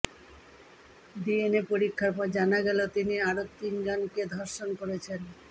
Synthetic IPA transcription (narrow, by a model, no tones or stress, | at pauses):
d̪ienepoɾikʰːaɾpɔɾd͡ʑanaɡɛlot̪iniaɾot̪ind͡ʑonked̪ʱoɾʃonkoɾet͡ɕʰen